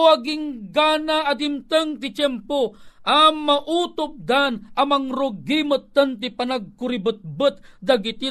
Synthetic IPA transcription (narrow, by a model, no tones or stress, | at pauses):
aɡɪŋɡanaːd̪ɪmt̪əŋt̪ɪt͡ʃɛmpoʔamaʔut̪ʊp̚d̪anɐmɐŋɾoɡimət̪ːɐnt̪ipanaɡ̚kʊɾibət̪̚bət̪̚d̪ɐɡɪt̪i